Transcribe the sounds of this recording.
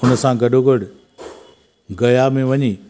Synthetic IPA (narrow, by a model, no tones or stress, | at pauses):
ʊnə̆sãɡɐɗoɡəɽ | ɡɐjamẽʋɐɲiː